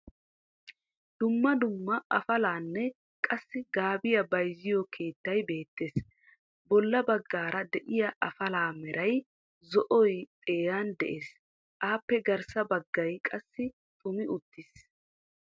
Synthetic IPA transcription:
d̪̥ʊmːɐd̪ʊmːɐʔɐfɐlaːnːɛ | kʼɐsːɪɡaːbɪjɐbɐjzɪjɔkʰe̞ːt̪ːɐjbe̞ːt̪ːeːs | bɔlːɐbɐɡːaːɾɐd̪ɛʔɪjɐʔɐfɐlaːmɛɾʔɐj | zɔʔɔjt̪ʼeːjaːnd̪ɛʔe̞ːs | ʔaːpːɛɡɐɾsɐbɐɡːɐjkʼɐsːɪ | t̪ʼʊmɪʔʊt̪ːɪs

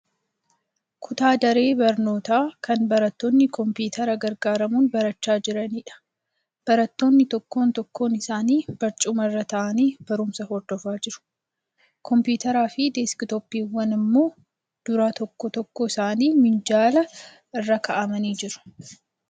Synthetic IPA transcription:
kʰʊt̪aːd̪ɐɾe̞ːbɐɾno̞ːt̪aːkɐnbɐɾɐt̪ːoːnːɪkɔmpiːt̪ʰɐɾɐɡɐɾɡaːɾɐmuːnbɐɾɐt͡ʃːaːd͡ʒɪɾɐniːᶑɐ̥ | b̥ɐɾɐt̪ːo̞ːnːɪt̪ɔkːo̞ːnt̪ɔkːo̞ːnɪsaːniːb̥ɐɾt͡ʃʼʊmɐrːɐt̪ɐʔɐniːb̥ɐɾʊmsɐhɔɾd̪̥ɔfaːd͡ʒɪɾʊ̥ | kʰɔmpuːt̪ɐɾaːfɪd̪eːskɪt̪ɔpːiːwːɐnɪmːo̞ː | d̪̥ʊɾat̪ɔkːɔt̪ɔkːɔɪsaːniːmɪnd͡ʒaːlɐ | ɪrːɐkɐʔɐmɐniːd͡ʒɪɾʊ̥

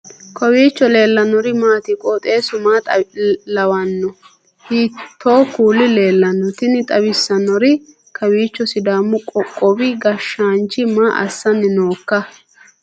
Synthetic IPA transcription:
kʰɔwiːt͡ʃːɔle̞ːlːɐnɔɾɪmaːt̪ɪkʼɔt̪ʼe̞ːsʊmaːt̪ʼlɐwɐnːɔ | hit̪ʰːoːkuːlːɪle̞ːlːɐnːɔt̪ɪnɪt̪ʼɐbɪsːɐnɔɾɪ | kʰɐwiːt͡ʃːɔsɪd̪aːmːʊkʼɔbɪɡɐʃaːnt͡ʃːɪmaːʔɐ̰sːɐnːɪnoːkːɐ

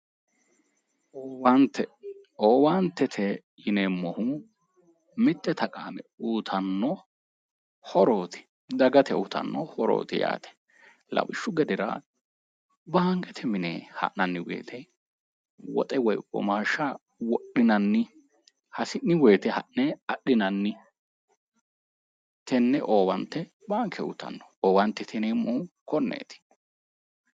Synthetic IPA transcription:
oːwant̪ːɛ | oːwant̪ːɛt̪ʰɛ | jɪneːmːɔhʊ | mɪt̪ːɛt̪ʰɐkʼaːmɛuːt̪ʰɐnːɔ | hɔɾoːt̪ɪ̥ | d̪ɐɡɐt̪ɛuːt̪ɐ̰nːɔhɔɾo̰ːt̪ɪja̰ːt̪ɛ̥ | lɐ̰wɪʃːʊɡɛd̪ɛɾɐ̰ | bɐːŋɡɛt̪ʰɛmɪneːhɐ̰ʔnɐnːɪwḛːt̪ʰɛ | wɔ̰t̪ʼɛwɔjkʼːɔ̰maːʃa | wɔɗːɪnɐnːɪ | hɐsɪnːɪweːt̪ɛhɐʔnɛɐɗːɪnɐnːɪ | t̪ʰɛnːɛʔoːwɐnt̪ːɛ | baːŋkʰɛwʊt̪ɐ̰nːɔ̥oːwɐnt̪ːɛt̪ʰɛnemːuːkɔnːḛːt̪ɪ̥

